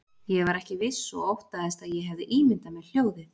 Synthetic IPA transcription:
jɛvaɾɛhcɪvɪsːɔ̰ɔwht̪aðɛst̪aðjɛɦɛvðɪʔiːmɪnt̪amɛðl̥joːwðɪ

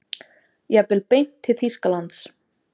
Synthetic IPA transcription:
jɛɣpɪlpejn̥t̪ʰːɪlθiskalant̪s

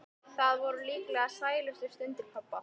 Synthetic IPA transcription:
θaðvɔɾʏliːklɛɣasaːjɪlœst̪ʏ̥st̪ʏnt̪ɪɾpʰapːa

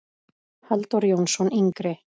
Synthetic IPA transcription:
halt̪ɔɾjownsɔniŋkɾɪ

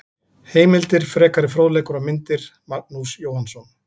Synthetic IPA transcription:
heːjmɪlt̪ɪɾ̥fɾɛːkaɾɪfɾowðlɛːkʏɾamɪnt̪ɪɾ̥maɾk̚nusjoːwhansɔn

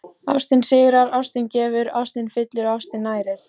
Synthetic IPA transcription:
awst̪ɪnsɪːɣɾaɾawst̪ɪncɛːvʏɾawst̪ɪnfɪt̪lɪɾawst̪ɪnːaːjɾɪɾ̥

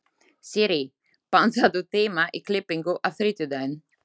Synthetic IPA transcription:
siɾi | pansad̪ut̪emaʔeklepeŋɡoʔaθɾit̪ud̪ɛn

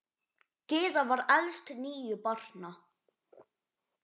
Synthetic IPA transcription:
kɪːðavaɾalst̪niːʏpɔr̥na

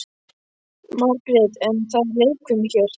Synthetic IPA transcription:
maɾkɾɛðɛnθaðlejkʰʏmçɛɾ̥

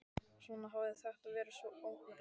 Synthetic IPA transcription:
sɔːnaɦavθaxt̪aðvɛːɾɪsvɔoːwk

